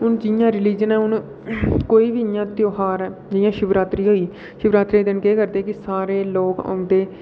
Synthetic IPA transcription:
ʊnd͡ʒɪjãːɾɪliːd͡ʒənɛːʊn | koːiːbiːɪjãːt̪joːɦaːɾɛːd͡ʒɪjãːʃʊbɾaːt̪ɾiːɦoːiː | ʃʊbɾaːt̪ɾiːd̪enkeːkəɾd̪eːkɪsaːɾeːloːkə̰ːd̪eː

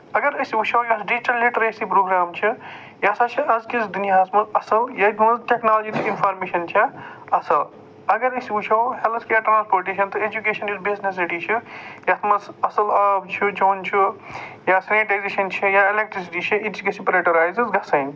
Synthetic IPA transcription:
ɐɡɐɾɐsiut͡ʃʰɐwjɐsɖid͡ʒiʈɐlːiʈɐɾesipɾoːɡɾaːmt͡ʃʰi | jasat͡ʃʰiʔɐzkisʰd̪iniɦaːsmɐzɐsɐljɐt̪ʰmɐzʈeknaːlod͡ʒit̪iinpʰaːɾmeːʃɐnt͡ʃʰɐɐsɐl | ɐɡɐɾɐsiut͡ʃʰɐwhelt̪ʰkeɐʈɾãːnspoːɾʈeːʃɐnt̪ɨed͡ʒukeːʃɐnizbiznessiʈit͡ʃʰijɐt̪ʰmɐzɐsɐlɐbt͡ʃʰid͡ʒoːnt͡ʃʰijasɐneʈajzeʃɐnt͡ʃʰijailek̚ʈɾis̬iʈit͡ʃʰiit̪t͡ʃikisipɾeʈɐɾaːjzizɡɐsɐn

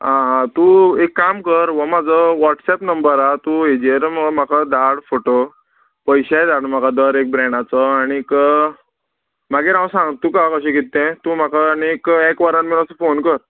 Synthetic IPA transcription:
ɦãt̪ũekːamkəɾʋəmad͡zʱəʋɔʈsɛpnəmbəɾat̪ued͡ʑieɾməɭm̤akʰad̪aɽfoʈo | pəjɕad̪aɽm̤akad̪əɾek̚bɾɛɳɖat͡səaɽ̃ik | m̤aɡeɾãwsãŋɡt̪ːukakəɕɛ̃ɡit̪ːɛ̃t̪ũm̤akʰaːñiekekʋaɾanmilasəfonkəɾ

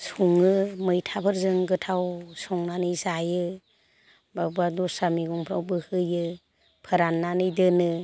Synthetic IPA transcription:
suŋɯmɯjtʰabʰɯɾzɯŋɡɯtʰawsɔŋnanɯjsajɯ | babadɔsamiɡɔŋpʰɾa̰wbɯhɯjɯ | pʰɯɾanːanɯjdɯnɯ

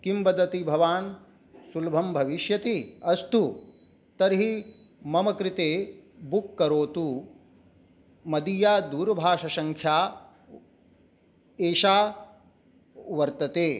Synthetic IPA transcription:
kimbɐd̪ɐt̪ibʱɐʋaːn | sulbʱɐmbʱɐʋiʃjɐt̪iɐst̪u | t̪ɐɾɦi | mɐmɐkɾit̪eːbukːɐɾoːt̪u | mɐd̪ijaːd̪uːɾbʱaːʃɐʃɐŋkʰjaː | eːʃaː | ʋɐɾt̪ɐt̪eː

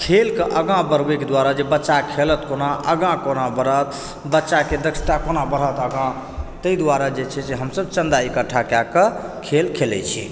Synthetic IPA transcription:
kʰelkeʔəɡãbəɾbeked̪waɾad͡ʒebətːt͡ʃːakʰelət̪konaʔəɡãkonabəɾət̪ | bətːʃaked̪əkt͡ʃʰt̪akonabəɾ̤ət̪əɡã | t̪əid̪waɾad͡ʒet͡ʃʰɛseɦəmsəbt͡ʃənd̪aekəʈʰːakakəkʰelkʰelɛ̰t͡ʃʰḭ

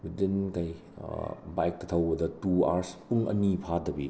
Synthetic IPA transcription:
widinkaj̰ | bajk̚tɐt̪ʰɐwbɐdɐtua̰ɾspuŋɐ̰nipʰadɐbi

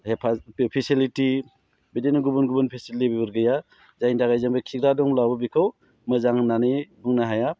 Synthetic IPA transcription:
hepʰapʰisiliti | bidenuɡubunɡubunpʰisilibibɯɾɡɯja | zajndaɡajzaŋbɯkʰiɡɾadɔŋlawbɯbikʰaw | mɯzaŋnanebɯŋnaɦaja

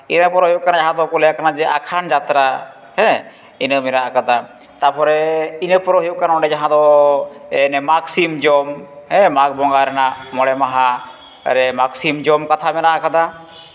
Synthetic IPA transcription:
inəpɔɾɔɦjuʔkanajaɦãd̪ɔkulɛjakanad͡ʒɛʔakʰand͡ʒat̪ɾa | hɛ̃ | inəmɛɾaʔakad̪a | t̪apɔɾɛinəpɔɾɔɦijuʔkanaɔɖɛd͡ʒaɦãd̪ɔ | ɛnɛmaksimd͡ʒɔmɦɛ̃mak̚bɔŋɡaɾɛnaʔmɔɽɛmaɦa̰ | ɾɛmaksimd͡ʒɔmkat̪ʰamɛnaʔakad̪a

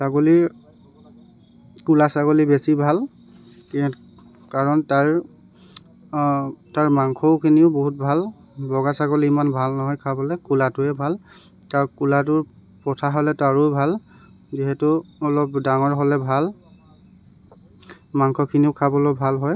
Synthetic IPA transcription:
saɡoliɹ | kulasaɡolibesibʱal | k | kaɹɔntaɹ | taɹmaŋkʰɔʊkʰiniʊboɦut̚bʱal | bɔɡasaɡoliimanbʱalnɔɦɔjkʰabɔlɛkulatʊɛbʱal | taɹkulat̬ʊɹ | pɹɔtʰaɦɔlɛtaɹubʱal | ziɦɛtʊːlɔp̚daŋɔɹɦɔlɛbʱal | maŋkʰɔkʰiniʊkʰabɔlobʱalɦɔj

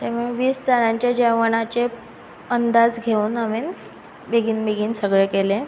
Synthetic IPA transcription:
t̪ameʋiːst͡saɭãɲt͡ɕjad͡ʑəʋəɳat͡ɕe | ənd̪ad͡zɡʱeuːnamin | beɡiːnbeɡʱiːnsəɡɭekelẽ

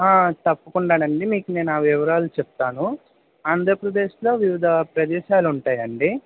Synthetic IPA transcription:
aːt̪ɐpːɐkuɳɖaːnɐɳɖimiːkune̞ːnaːʋiʋɐɾaːlut͡ʃɛp̚t̪aːnu | aːnd̪ʱɾɐpɾɐd̪eːʃlo̞ːʋiʋid̪ʱɐpɾɐd̪ɛːʃaːluɳʈaːjɐɳɖi

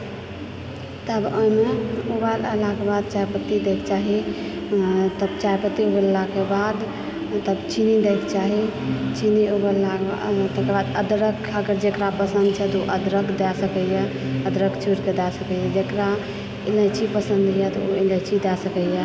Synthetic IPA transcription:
t̪əbəjmeubaləlakebad̪̚t͡ʃajpət̪ːid̪ekt͡ʃaɦi | t̪əbt͡ʃajpət̪ːiubəllakebad̪ | t̪əbt͡ʃinid̪ekt͡ʃaɦit͡ʃiniubəlːakea̰t̪əkebad̪əd̪ɾəkʰaɡəɾd͡ʒekɾapəsənd̪̚t͡ʃʰɛt̪uʔəd̪ɾəɡd̪ɛsəkɛjɛ | əd̪ɾəkt͡ʃʰuɾked̪ɛsəkɛjɛd͡ʒekɾa | ilət͡ʃʰipəsənd̪jɛt̪ɔoilɛt͡ʃʰid̪ɛsəkɛjɛ

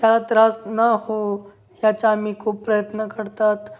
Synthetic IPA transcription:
t̪jalat̪ɾasnaɦo | jat͡ʃamikopɾəjət̪nəkəɾt̪at̪

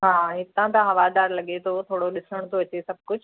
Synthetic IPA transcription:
ɦaːɦɪt̪ãt̪ãɦɐʋaːd̪aːɾlɐɠet̪ʰot̪ʰoːɽoɗɪsəɽ̃t̪ʰoʋɐt͡ɕesɐb̚ʱkʊd͡ʑʱ

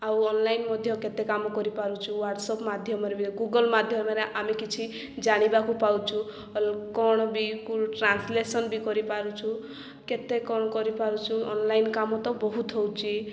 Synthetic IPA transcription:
awɔnlajnmɔd̪ʱjɔket̪ekamɔkɔɾipaɾut͡ʃʰuwaɾʈsɔpmad̪ʱjɔmɔɾebiɡuɡɔlmad̪ʱjɔmɔɾeʔamikit͡ʃʰi | d͡ʒaɽ̃ibakupawt͡ʃʰu | lkɔɽ̃ɔbikuʈɾanslesɔnbikɔɾipaɾut͡ʃʰu | ket̪ekɔɽ̃ɔkɔɾipaɾut͡ʃʰuɔnlajnkamɔt̪ɔbɔɦut̪ɦɔwt͡ʃʰi

